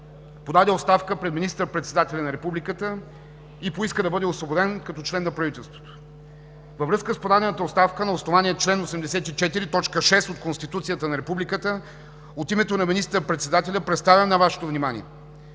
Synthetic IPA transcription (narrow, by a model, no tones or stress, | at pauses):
pod̪ad̪ɛot̪st̪afkəpɾɛd̪minist̪əɾpɾɛt̪sɛd̪at̪ɛlʲɐnɐɾɛpublikət̪ə | ipoiskəd̪ɐbɤd̪ɛosvobod̪ɛnkɐt̪ɔt͡ʃlɛnːɐpɾɐvit̪ɛlˠst̪vo̥t̪o̥ | vəvɾɤskəspod̪ad̪ɛnət̪əot̪st̪afkənɐosnovaniət͡ʃlɛnosɛmd̪ɛsɛt̪it͡ʃɛt̪iɾit̪ɔt͡ʃkəʃɛst̪ot̪̚konst̪it̪ut̪sijət̪ənɐɾɛpublikət̪ə | ot̪imɛt̪onɐminist̪əɾpɾɛt̪sɛd̪at̪ɛlʲɐpɾɛt̪st̪avʲjɐmnɐvaʃɛ̥t̪ovnimanḭɛ